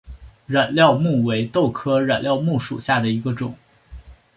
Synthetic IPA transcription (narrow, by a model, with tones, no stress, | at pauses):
ɻa˨˩nljɑ˥˧ʊmu˥˩we˧˥ɪt̪o˥˩ʊkʰɤ˥ɻa˨˩nljɑ˥˧ʊmu˥˩ʂṵ˨˩ɕja˥˩d̪ə˩i˧˥ɡə˧ʈ͡ʂʊ̰˨˩˦ŋ